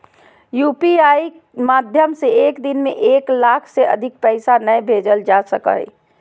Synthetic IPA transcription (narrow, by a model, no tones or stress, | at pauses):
juːpiai | mad̪ʱjəmseekd̪inmeʔeːklakʰseə̰d̪ʱik̚pɛɪsanəjbʱed͡ʒəld͡ʒasəkə̰ḭ